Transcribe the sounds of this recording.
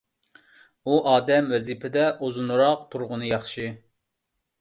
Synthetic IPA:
uʔɑːd̪ɛmwɛzipʰɪd̪ɛʔozunɾɑq̚t̪ʰuɾʁʊnɨjɑχʃɨ

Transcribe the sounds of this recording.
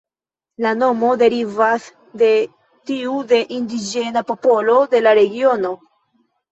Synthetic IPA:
lano̞mo̞de̞ɾivas | de̞ | tiude̞ʔindid͡ʒe̞napo̞po̞lo̞de̞laɾe̞ɡio̞no̞

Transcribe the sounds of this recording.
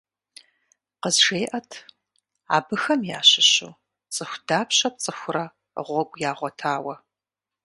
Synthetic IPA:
qəzʒeːʔɐtʰ | a̰ːbɨxɐmja̰ːɕɪɕṵː | t͡sʼɨxʷd̥aːpʰɕɐp̚t͡sʼɨxʷʊrɐ | ʁʷɔɡʷʼjaːʁʷɔtʰaːwɐ

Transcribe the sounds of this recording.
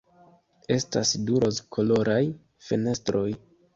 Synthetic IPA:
e̞sta̰sduɾoskʰo̞lo̞ɾaj | fene̞stɾo̞j

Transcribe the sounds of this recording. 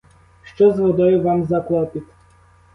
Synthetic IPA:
ʃt͡ʃɔzvɔd̪ɔjɛʋamzaklˠapit̪ʲ

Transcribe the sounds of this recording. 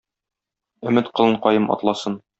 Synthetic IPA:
ɵ̆mɘt̪qɤ̆lˠɤɴqɒjɤmɒ̰t̪lˠɑsɤn

